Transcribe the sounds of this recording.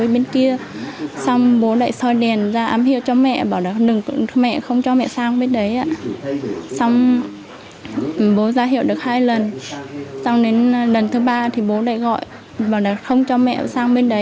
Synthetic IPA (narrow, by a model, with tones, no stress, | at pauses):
jɓe˧nki˧əsa˧wŋ͡mɓo˨˦ɗa̰˧˨jsɔ˧jɗɛ˨˩ənzaː˧ʔaː˨˦mɦḭ˧˨əwt͡ɕɔ˧mɛ̰˧˨ɓaː˧˩wɗaː˨˩k̚ɗɨ˨˩ŋmɛ̰˧˨xə˧wŋ͡mt͡ɕɔ˧mɛ̰˧˨saː˧ŋɓe˧nɗə˨˦jʔa̰ː˧˨ | sa˧wŋ͡m | ɓo˨˦zaː˨˦ɦi˧˨wɗɨ˨˩ək̚haː˧jlə˨˩n | sa˧wŋ͡mɗe˨˦nlə˨˩nt̪ʰɨ˨˦ɓaː˧t̪ʰi˨˩ɓo˨˦ɗa̰ː˧˨jɣɔ̰˧˨j | ɓaː˨˩wɗaː˨˩t̚xə˧wŋ͡mt͡ɕɔ˧mɛ̰˧˨saː˧ŋɓe˧nɗə˨˦j